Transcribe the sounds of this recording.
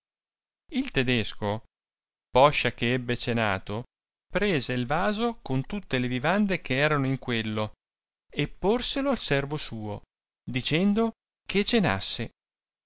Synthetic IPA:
ilt̪ed̪esko | pɔʃːakeɛbːet͡ʃena̰ːt̪o | pɾeːzeilvaːzokont̪ut̪ːelevivand̪ekʰeɛːɾanoiŋkwelːo | epːorseloalsɛrvosuːo̰ | d̪it͡ʃɛnd̪o | ket͡ʃena̰sːe

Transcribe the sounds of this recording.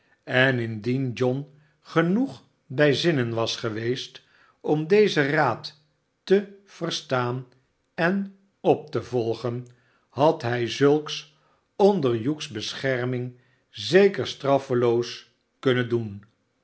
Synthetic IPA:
ɛnɪndind͡ʒɔn | χənuχ | bɛjzɪnənʋɑsχəʋejst | ɔmdejzəraːtː | əv̥ərstaːn | ɛn | ɔp̚təvɔlˠχən | ɦɑtɦɛjzɵlˠks | ɔndəɹjuksbəsχɛɹmɪŋ | zejkəɹstrɑfəlows | kɵnəndun

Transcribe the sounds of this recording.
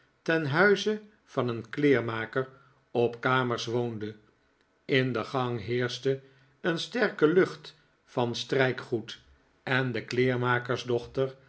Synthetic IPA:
tɛnɦœɥzə | v̥ɑnənklɪːɹmaːkər | ɔpkaːməɹsʋowndə | ɪndəχɑŋɦɪːɹstə | ənstɛɹkəlɵχt | fɑnstrɛjkχut | ɛndəklɪːɹmaːkəɹzdɔχtər

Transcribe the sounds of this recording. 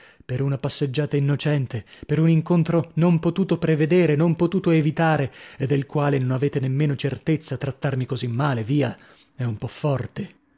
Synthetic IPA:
peɾunapasːed͡ʒːaːt̪ainːot͡ʃɛnt̪epeɾuniŋkont̪ɾonompot̪uːt̪opɾeved̪eːɾenompot̪uːt̪oevit̪aːɾeed̪ːelkwaːlenonaveːt̪enemːeːnot͡ʃert̪et̪sːat̪ɾat̪ːarmikozimːaːleviːa | ɛumpɔfːɔrt̪e

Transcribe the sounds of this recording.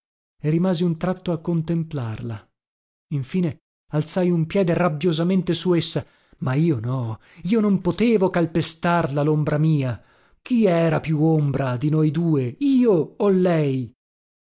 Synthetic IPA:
erimaːziunt̪ɾat̪ːoakːont̪emplarla | iɱfiːne | alt̪sajumpjɛːd̪erabjozament̪esuesːa | maiːonɔ | iːonompot̪eːvokalpest̪arlalombɾamiːa | k̟iɛːɾapjuombɾad̪inojd̪uːeiːoːlːɛj

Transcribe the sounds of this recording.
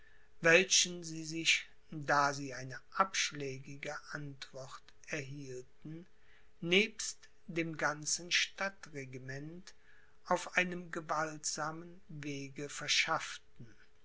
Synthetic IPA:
vɛlʃənziːzɪç | daːziːaɪnəʔapʃlɛːɡɪɡəʔantv̥ɔʁt | ɛɐɦiːltn̩ | neːpst | d̥eːmɡant͡sn̩ʃtatʁeɡimɛnt | ʔaʊfʔaɪnəmɡəvaltz̥aːmənveːɡəfɛɐʃaftn̩

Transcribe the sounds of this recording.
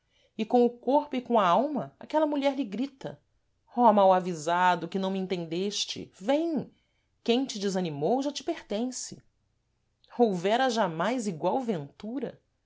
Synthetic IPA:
ɪkõʊkoɾpʊɪkõɐawmɐa̰kɛlɐmuʎɛɾʎɪɡɾit̪ɐ̰ | ɔmawavizad̪ʊkɪnɐ̃w̃miẽnt̪ẽnd̪eʃt͡ʃɪ̰vẽj̃ | kẽj̃t͡ʃɪd͡ʒɪzɐnimowʒat͡ʃɪ̥peχt̪ẽsɪ̥̰ | owvɛɾɐʒamajziɡwawvẽnt̪uɾɐ̰

